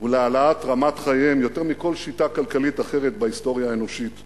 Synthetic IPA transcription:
ulealaatʁamatχajemjo̞te̞ʁmiko̞lʃitakalkalitaχe̞ʁet̚baisto̞ʁjaeno̞ʃit

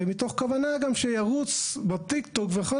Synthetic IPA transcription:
mit̪o̞χkavanaɡamʃejaʁut͡sbat̪ikt̪okveχo

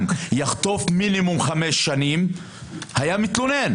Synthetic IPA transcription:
njaχt̪o̞fminimumχameʃːanim | hajamit̪lonen

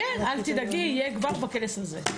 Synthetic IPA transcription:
ɛnalt̪id̪aɡijeɡvaʁbakelesaze

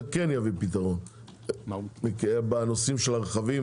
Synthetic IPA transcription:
kenjavipit̪aʁon | mekiebanosimʃelaʁeχavim

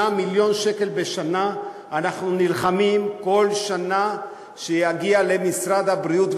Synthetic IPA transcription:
amiljo̞nʃe̞ke̞lbe̞ʃana | anaχnunilχamimko̞lʃana | ʃejaɡiale̞misɾad̪abʁiut̪v

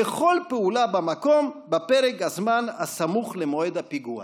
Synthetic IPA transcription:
eχo̞lpeulabamako̞mbapeʁekhazmanasamuχlemoed̪apiɡua̰

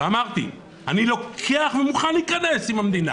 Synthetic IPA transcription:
amaqʼt̪ḭ | anilokkʰeaχmimuχanikʼanesimamd̪ina̰

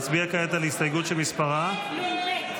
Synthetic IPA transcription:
t͡sbiakajet̪alist̪ajɡut̪ʃelmispaʁa

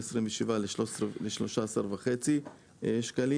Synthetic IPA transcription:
esʁimveʃivaleʃosleʃlo̞ʃaːsaʁvaχet͡si | ʃkali

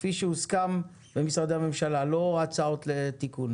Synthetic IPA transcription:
fiʃeuskam | bemisʁad̪eame̞mʃalalo̞at͡sao̞t̪let̪ikun

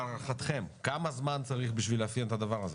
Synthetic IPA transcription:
lʁaχat̪χe̞mkamazmant͡saʁiχbiʃvileafjent̪ad̪avaʁaze

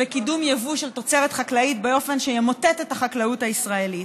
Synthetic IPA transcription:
bekidumjevuʃelt̪o̞t͡seʁetχaklaitbeo̞fe̞nʃejemotetetaχaklauthaisʁae̞lit

